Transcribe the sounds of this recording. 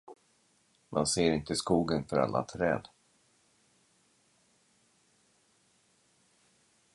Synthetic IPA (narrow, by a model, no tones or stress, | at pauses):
manseːɾɪnt̪əskuːɡənfœɾa̰lːʔa̰t̪ʰɾɛ̰ːd̪